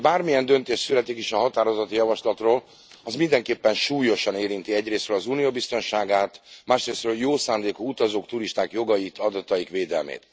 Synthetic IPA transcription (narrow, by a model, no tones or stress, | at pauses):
baːrmijɛnd̪ø̞nt̪eːʃt̪sylɛt̪ikiʃɒɦɒt̪aːɾo̞zɒt̪ijɒvɒʃlɒt̪roːl | ɒzmind̪ɛŋkeːpːɛnʃuːjo̞ʃɒneːɾint̪iɛɟreːst̪ɾøːlɒzuːnijoːbist̪o̞nʃaːɡaːt̪maːʃreːstrøːljoːsaːnd̪eːkuut̪ɒzoːkt̪uɾiʃt̪aːkjo̞ɡɒjit̪ʰɒd̪ɒt̪ɒjikʋeːd̪ɛ̰lmḛːt̪